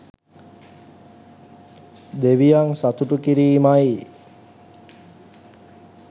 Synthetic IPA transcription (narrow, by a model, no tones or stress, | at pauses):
d̪eʋijaŋsat̪uʈukiɾiːmaj